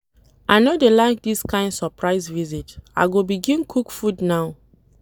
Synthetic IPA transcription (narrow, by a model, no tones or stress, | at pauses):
ʔaɪnodelaɪk̚diskãɪ̃ndsɔpɹaɪzvizita̰ɪɡobiɡĩnkʰukfudnaʊ